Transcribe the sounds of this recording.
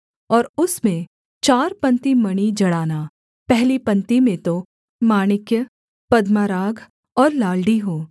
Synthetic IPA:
ɔːɾʊsmẽ | t͡ʃaːɾpɐ̃nt̪imɐɽ̃id͡ʒɐɽaːna | pɛɦlipɐ̃nt̪imẽt̪o | maːnɪkjə | pɐd̪maːɾaːɡʱ | ɔːɾlaːlɖiɦoː

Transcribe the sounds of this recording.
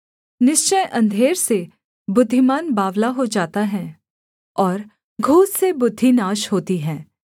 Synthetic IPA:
nɪʃt͡ʃəjʔɐ̃nd̪ʱeːɾse | bʊd̪ʱːimaːnbaːʋlaɦod͡ʒaːt̪aɦɛ̃ː | ɔːɾ | ɡʱuːssebʊd̪ʱːinaːʃhoːt̪iɦɛ̃ː

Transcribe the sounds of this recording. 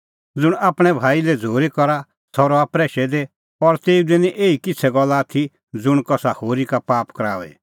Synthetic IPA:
d͡zʊɽ̃aːpɽ̃ɛbʱaːilɛd͡zʱoːɾikɔɾa | sɔɾɔapɾɛːʃɛd̪e | ɔɾt̪eːud̪enĩʔeːikɪt͡sʰɛɡɔlːaːt̪ʰi | d͡zʊɽ̃kɔsahoːɾikapaːpkɾaːʋɛ̰

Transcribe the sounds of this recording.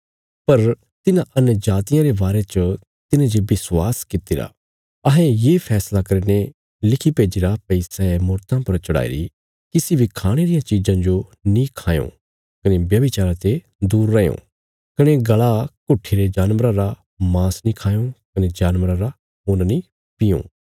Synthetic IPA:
pɐɾ | t̪ɪnãʔɐnjəd͡ʒaːt̪ɪjãɾebaːɾet͡ʃə | t̪ɪnãd͡ʒebɪswaːskɪt̪iɾa̰ | ɐɦɛ̃jeːpʰɛːslakɐɾne | lɪkʰipeːd͡ʒiɾapɛɪsaemʊɾt̪ãpɐɾt͡ʃɐɽa̰ːḭɾḭ | kɪsibʱikʰaːɽ̃eɾijãt͡ʃid͡ʒãd͡ʒonĩkʰãːjõ̰ | kɐnebjɐbɪt͡ʃaːɾãt̪e | d̪uːɾːɐjõ̰ː | kɐñeɡɐɭakʊʈʰːiɾed͡ʒaːnʋəɾãɾa | mãːsnĩkʰaːjõkɐned͡ʒaːnʋɾãɾa | ɦoːnani | pɪjõ̰ː

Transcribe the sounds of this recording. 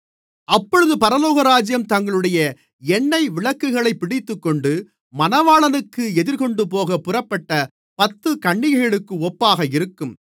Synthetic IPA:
ʔɐpːɔɻɯðɯpɐɾɐloːɣɐɾaːd͡ʒɪjɐmt̪ɐŋɡɐɭɯɽɐjɐ | ɛnːɐɪʋɪɭɐkːɯɣɐɭɐɪpːɪɽɪt̪ːɯkːɔɳɖɯ | mɐnɐʋaːɭɐnɯkːɯɛðɪɾkɔɳɖɯp̬oːɣɐpʊrɐpːɐʈːɐ | pɐt̪ːɯkɐɳːɪjɐɐɭɯkːɯɔpːaːɣɐɪɾɯkːɯm

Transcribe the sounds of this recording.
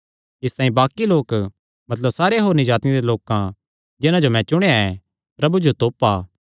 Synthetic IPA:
ɪst̪aːĩbaːkiloːk | mɐt̪ləbsaːɾeɦoːɾnid͡ʒaːt̪ned̪eloːkã | d͡ʒɪnãd͡ʒomɛ̃t͡ʃʊɽ̃eaɛ̃ | pɾɐbud͡ʒot̪oːpːaː

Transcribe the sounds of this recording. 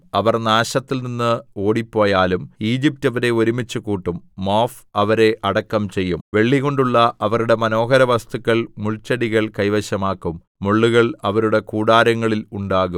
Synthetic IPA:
ɐʋɐrnaːɕɐt̪ːilninːɨo̞ːɽipːo̞ːjaːlumiːd͡ʑip̚tɐʋɐɾe̞o̞ɾumit͡ɕːukuːʈːumːoːf | ɐʋɐɾe̞ʔɐɽɐkːɐmt͡ɕe̞jːumʋe̞ɭːiɣo̞ɳɖuɭːɐɐʋɐɾuɽe̞mɐno̞ːɦɐɾɐʋɐst̪ukːɐɭmuɭt͡ɕːɐɽiɣɐɭkɐjʋɐɕɐmaːkːumːuɭːuɣɐɭɐʋɐɾuɽe̞kuːɽaːɾɐŋːɐɭiluɳɖaːɣum

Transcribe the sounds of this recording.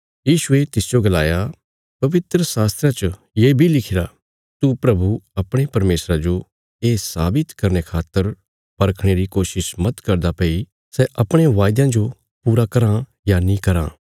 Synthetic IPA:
jiːʃʊet̪ɪsd͡ʒoɡɐlaːja | pɐʋɪt̪ɾəsaːst̪ɾat͡ʃə | jeːbʱilɪkʰɪɾa | t̪upɾɐbuɐpɽ̃epɐɾmeːsɾad͡ʒo | eːsaːbɪt̪kɐɾnekʰaːt̪ːəɾ | pɐɾkʰɽ̃eɾikoːʃɪʃmɐt̪kɐɾd̪apɐi | sɛʔɐpɽ̃ẽʋaːjd̪jãd͡ʒo | puːɾakɐɾã | janĩkɐɾã̰ː

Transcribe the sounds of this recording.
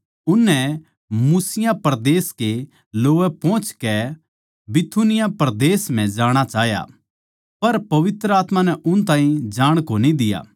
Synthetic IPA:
ʊnːɛ | muːsɪjãpɐɾd̪eːske | loːʋɛpɔ̃ːt͡ʃkɛ | bɪt̪ʰunɪjapɐɾd̪eːsm̤ɛ̃d͡ʒaːɽ̃at͡ʃaːɦja̰ | pɐɾpɐʋɪt̪ɾəaːt̪mãnɛʔʊnt̪ãːĩd͡ʒaːɽ̃konĩd̪ɪja̰ː

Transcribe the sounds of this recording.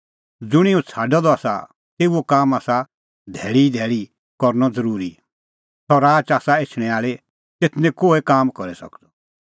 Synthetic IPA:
d͡zʊɽ̃iɔ̃t͡sʰaːɖɔd̪ɔaːsa̰ | t̪eːuokaːmaːsa | d̪ʱɛːɭid̪ʱɛːɭi | kɔɾnɔd͡zɐɾuːɾi | sɔɾaːt͡ʃaːsaeːt͡ʃʰɽ̃ɛ̃aːɭe | t̪et̪ʰnɛ̃koːekaːmkɔɾɛsɐ̰kd̪ɔ

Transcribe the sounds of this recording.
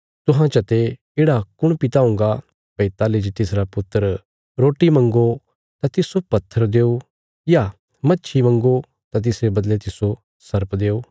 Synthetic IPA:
t̪ʊɦãt͡ʃɐt̪e | eːɽakʊɽ̃pɪt̪aʊ̃ːŋ̆ɡa | pɐit̪aːlid͡ʒt̪ɪsɾapʊt̪ːəɾ | ɾoːʈimɐ̃ŋɡo | t̪at̪ɪsopɐt̪ʰːəɾd̪eːo | ja | mɐtːʃʰimɐ̃ŋɡo | t̪at̪̬ɪsɾebɐd̪let̪ɪso | sɐɾpd̪eːoː

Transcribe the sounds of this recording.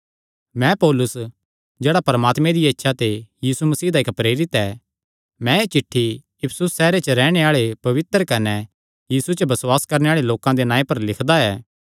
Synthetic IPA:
mɛ̃pɔːlʊs | d͡ʒeːɽapɐɾmaːt̪mẽd̪ietːʃʰat̪ejiːsumɐsiːd̪aɪkpɾeːɾɪt̪ɛː | mɛ̃eːt͡ʃɪʈʰːi | ɪpʰsʊsːɛːɾet͡ʃəɾɛːɽ̃eaːɭepɐʋɪt̪ɾkɐnɛ | jiːsut͡ʃəbɐsʊwaːskɐɾneaːɭeloːkãd̪enãːẽpɐɾlɪkʰd̪aɛː

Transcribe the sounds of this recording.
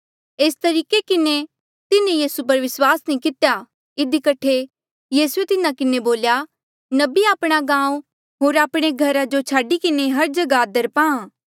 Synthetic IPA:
eːst̪ɐɾiːkekɪne | t̪ɪnẽjiːsup̬ɐɾʋɪswaːsnĩkɪt̪ja | ɪd̪ikɐʈʰe | jiːsuet̪ɪnãkɪneboːlja | nɐbiaːpɽ̃aɡãːũ | ɦoːɾaːpɽ̃eɡʱɐɾad͡ʒot͡ʃʰaːɖikɪneɦɐɾd͡ʒɐɡad̪ɐɾpãã

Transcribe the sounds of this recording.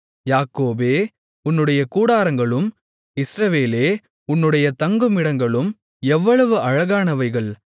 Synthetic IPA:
jaːkoːbeː | ʊnːɯɽɐjɐkuːɽaːɾɐŋɡɐɭɯm | ɪsɾɐʋeːleː | ʊnːɯɽɐjɐt̪ɐŋɡɯmɪɽɐŋɡɐɭɯm | ɛʋːɐɭɐʋɯʔɐɻɐɣaːnɐʋɐɪɣɐɭ

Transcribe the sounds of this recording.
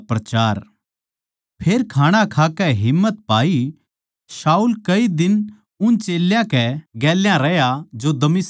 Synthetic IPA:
pɾɐt͡ʃaːɾ | pʰeːɾkʰaːɽ̃akʰaːkɛɦɪmːət̪paːi | saːuːlkɐid̪ɪn | ʊnt͡ʃeːljãkɛɡɛːljãɾɛjad͡ʒod̪ɐmɪs

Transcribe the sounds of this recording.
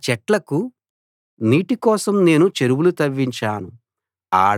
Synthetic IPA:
t͡ʃɛʈlɐku | niːʈikɔːsɐmne̞ːnut͡ʃe̞ɾuwulut̪ɐʋːiɲt͡ʃaːnu | a̰ː

